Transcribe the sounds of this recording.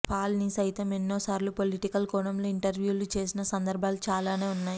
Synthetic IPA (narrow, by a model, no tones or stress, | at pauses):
pʰaːlnisɐjt̪ɐmenːoːsaːɾlupoliʈikɐlkɔɳɐmloːiɳʈɐɾʋjuːlut͡ʃe̞ːsinɐsɐnd̪ɐɾbʱaːlut͡ʃaːlaːne̞ːunːaːji